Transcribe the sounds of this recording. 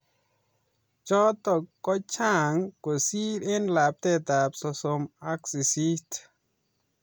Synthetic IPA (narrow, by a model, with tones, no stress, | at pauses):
t͡ʃɔ˦t̪ɔ˨kɔ˦t͡ʃʰa˦ŋko˨si˦ɾe˦nla˨p̚t̪ɛ˦˧t̪a˨psɔ˧so˧ma˦ksi˨si˦t̪